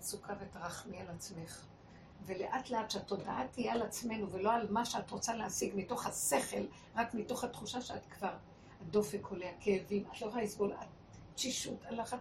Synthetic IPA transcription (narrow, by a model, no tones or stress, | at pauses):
sukʰavetʁaχmialat͡sme̞χ | ve̞leʔatleadʃeato̞daatijaalat͡sme̞nuveloalmaʃeatʁot͡saleasiɡmito̞χhase̞χe̞l | ʁakmito̞χhatχuʃaʃeatkvaʁ | hado̞fekʰo̞leakeːvimatloʁaisɡolat̚ | t͡ʃiʃutalaχa